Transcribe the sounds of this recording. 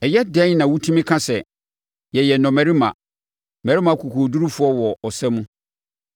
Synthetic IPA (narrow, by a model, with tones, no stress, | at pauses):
ɛ˨jɛ˦dɛ̃˦nnã˨wu˦tʰũ˦mɪ̃˦kʰã˦sɛ˨ | jɛ˨jɛ˨nɔ̃˨mæ˨ɾi˦mã̰˨ | mɛ̃˨ɾi˦mã˦kʰu˨kʰo˨du˦ɾu˦fʊ˦ɔ˦wɔ˨ɔ˨sɛ˦mũ˦